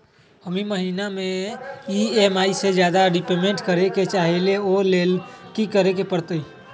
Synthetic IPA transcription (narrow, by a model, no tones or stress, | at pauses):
ɦəmiməɦinameiemaised͡ʒjad̪aɖipemeɳʈkəɾeket͡ʃaɦeleolelkikəɾekepəɽt̪əi